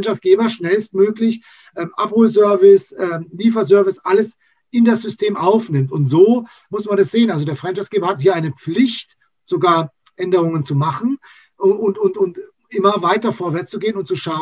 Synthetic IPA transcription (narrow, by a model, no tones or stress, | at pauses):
nt͡ʃasɡ̥eːbɐʃnɛlst̚møːklɪç | ʔɛːmʔa̰phoːlzœɐvɪsʔɛːmliːfɐzœɐvɪsʔaləs | ɪndasz̥ʏstʰeːmʔaʊfnɪmtʊntz̥oː | mʊsmanɛsz̥eːənʔalzodeːɐfʁɛnt͡ʃasɡ̥eːbɐhathiːɐaɪnəp͡flɪçt | z̥oɡaːɐ | ʔɛndəʁ̞ʊŋənt͡sumaχn̩ | ʔʊntʊntʊnt | ʔɪmɐvaɪtɐfoːɐvɛɐt͡st͡suɡeːənʊntt͡suʃaʊ